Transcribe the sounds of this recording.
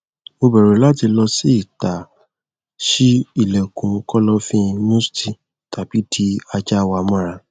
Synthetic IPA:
o˧bɛ˨ɾe˨˦la˦ti˧lɔ˧si˦i˦˨ta˨ | ʃi˦i˦˨lɛ˨kũ˨˦kɔ˦lɔ˦fĩ˦˧nũ˦sti˧ | ta˨b̥i˨˦ti˦a˧d͡ʒa˦˧wa˧mɔ̃˦ɾa˧

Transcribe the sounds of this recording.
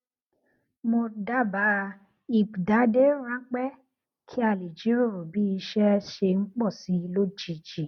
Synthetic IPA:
mo˧da˦ba˨˦ | i˨bda˨˦de˦ɾ̃ã˦k͡pɛ˦ | kʰi˦a˧˨li˨d͡ʒi˨˦ɾo˦˨bi˦i˧ʃɛ˦ʃe˧ŋ͡m̩˦k͡pɔ˦˨si˨˦i˧lo˦d͡ʒi˨˦d͡ʒi˦˨

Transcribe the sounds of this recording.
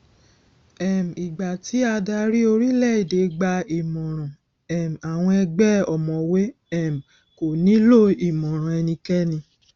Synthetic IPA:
ɛ˨m̩˨i˨ɡ͡ba˨ti˨˦a˧da˧ɾi˦o˧ɾi˦lɛ˦˨i˨de˨˦ɡ͡ba˧i˨mɔ̃˨ɾ̃ɔ̃˨ | ɛ˨m̩˨a˨w̃ɔ̃˧ɛ˧ɡ͡bɛ˦ɔ˨mɔ̃˨we˦ | ɛ˦˨m̩˨ | ko˨nĩ˨˦lo˦˨i˨mɔ̃˨ɾ̃ɔ̃˨ɛ˧nĩ˧kɛ˦nĩ˧

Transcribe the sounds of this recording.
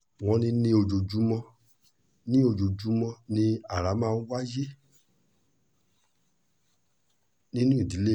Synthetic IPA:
w̃ɔ̃˧nĩ˧nĩ˧˦o˧d͡ʒo˨d͡ʒu˨˦mɔ̃˧ | nĩ˦o˧d͡ʒo˨d͡ʒu˨˦mɔ̃˧nĩ˧a˦˨ɾa˨˦mãː˦˧n̩˦wa˦je˦ | nĩ˦nũ˦i˦˨di˨˦le˦˨

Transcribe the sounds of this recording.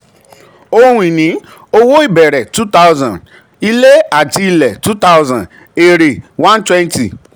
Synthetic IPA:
o˦˧hũ˨nĩ˨˦ | o˦wo˦i˦˨bɛ˨ɾɛ˨tu˦ta˦wzã˨n | i˦le˦a˦˨ti˧i˧lɛ˨tu˦ta˦ʊzã˨n | e˨ɾe˨wã˦n˦twɛ̃˦nti˨

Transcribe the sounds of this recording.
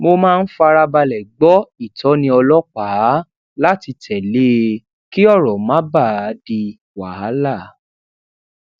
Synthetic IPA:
mo˧mãː˦˧n̩˦fa˧ɾa˧ba˧lɛ˨ɡ͡bɔ˦i˦˨tɔ˨˦nĩ˧ɔ˧lɔ˦k͡pa˨˦ | la˦ti˨˧tʰɛ˨le˦ | ki˦ɔ˦˨ɾɔ˨mã˦ba˦˨a˨˦di˧ | wa˨ha˦la˦˨

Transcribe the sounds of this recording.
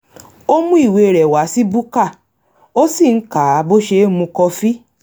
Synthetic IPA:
o˦mũ˦i˦˨we˧˨ɾɛ˨wa˨˦si˦bu˦ka˦˨ | o˦si˦˨n̩˨˦ka˨˦bo˦ʃe˧˦mũ˧kɔ˧fi˦

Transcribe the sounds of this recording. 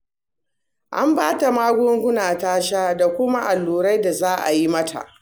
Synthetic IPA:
ʔa̰˦mbaː˦ta˨maː˦ɡʷʊ˦ŋɡʷʊ˦naː˨taː˦ʃaː˦da˨kʷʊ˦ma˦ʔa˨lːuː˨ɾa˦jda˨zaː˦ʔa̰˨ji˦mɐ˦tʰa̰˨ʔ

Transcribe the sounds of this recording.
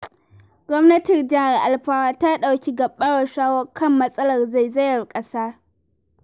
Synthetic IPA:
ɡ̥ʷɔ˦mnɐ˦tɪ˨rd͡ʒɐ˦ha˨rʔa˨lɸaː˦waː˦taː˦ɗa˨wkʲi˦ɡɐ˨ɓːɐ˦ɽɐ˨ʃaː˦wɐ˦kʰɐ˦mːɐ˦sʼɐ˦lɐ˨rza˦˨jzɐ˦jɐ˨rkʼɐ˦saː˦

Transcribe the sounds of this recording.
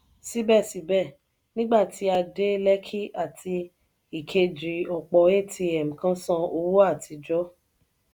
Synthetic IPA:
si˦bɛ˦˨si˨˦bɛ˦˨ | nĩ˦ɡ͡ba˦˨ti˨˦a˧de˦lɛ˦kʰi˦ʔa˦˨tʰi˧ | i˨kʰe˧d͡ʒi˨ɔ˨k͡pɔ˧e˦˨tʰi˧ɛ˨m̩˨kã˦sã˧o˧wu˦a˦˨tʰi˧d͡ʒɔ˨˦

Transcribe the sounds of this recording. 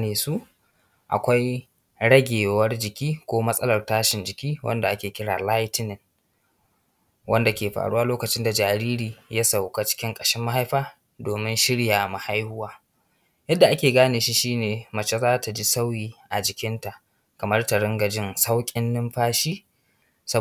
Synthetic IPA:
neː˨su˦ʔ | ʔa̰˨kʷa˦j | ɽɐ˦ɡʲeː˨wɐ˦rd͡ʒɪ˨kʲiː˦kʷoː˦mɐ˦sʼɐ˦lɐ˨rtaː˦ʃɪ˨nd͡ʒɪ˨kʲiː˦wʔɐ̰˦nda˨ʔa˦kʲeː˨kʲɪ˦ɽa̰ː˨la˦jtɪ˦nɪ˨ŋ | wʔɐ˦nda˨kʲeː˨ɸa̰ː˨ɽu˦wa˦loː˦kɐ˨t͡ʃɪ˦nda˨d͡ʒaː˨ɾiː˦ɾiː˨ja˦sa˨wka˦t͡ʃɪ̥˦kʲɪ˦ŋkʼɐ˨ʃɪ˦mːa˦ha˦jɸaː˦ | doː˨mɪ˦nʃɪ˦ɽjaː˨ma˨ha˦jhʊ˦waː˦ | jɐ˦dːa˨ʔa˦kʲeː˨ɡaː˦neː˨ʃi˦ʃiː˦neː˨mɐ˨t͡ʃe˦zaː˦ta˨d͡ʒi˦sa˦wjiː˨ʔa˨d͡ʒɪ˨kʲɪ˦nta˨ʔ | kɐ˨mɐ˦rta˨ɽɪ˦ŋɡɐ˨d͡ʒɪ˦nsa˦wkʲʼɪ˦nːɪ˦mɸaː˦ʃiː˦ | sɐ˦

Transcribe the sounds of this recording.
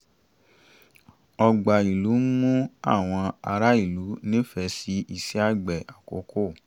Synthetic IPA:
ɔ˧ɡ͡ba˨i˨lu˨˦mũ˦a̰˦˨w̃ɔ̃˧a˧ɾa˦i˦˨lu˨˦nĩ˦fɛ˧si˦i˦˨si˦a˦˨ɡ͡bɛ˨a˨ko˨˦ko˦˨

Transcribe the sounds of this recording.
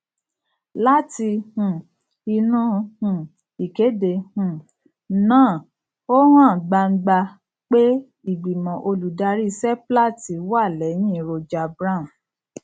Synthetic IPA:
la˦ti˧hũ˨ | i˧nũ˦hũ˨ | i˨ke˨˦de˧hũ˨ | nãː˦˨ | o˦hãː˦˨ɡ͡ba˧ŋ̩˦ɡ͡ba˧ | k͡pe˦ | i˦˨ɡ͡bi˨mã˨ʔo˧lu˨da˧ɾi˦˧sɛ˦pla˦˨ti˨˦wa˦˨lɛ˨˦nĩ˦˨ɾo˧d͡ʒa˧˨bɾã˦˨m̩˨

